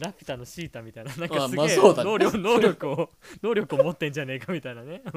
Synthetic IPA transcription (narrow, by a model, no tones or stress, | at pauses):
ɾapʲi̥t̪ano̞ɕiːt̪amʲit̪ainanãŋkasɨɡesnoːɾʲono̞ːɾʲjo̞kɯ̟o | no̞ːɾʲo̞kɯ̟o̞mo̞t̪ːẽ̞ɲ̟d͡ʑane̞kamʲit̪ainane̞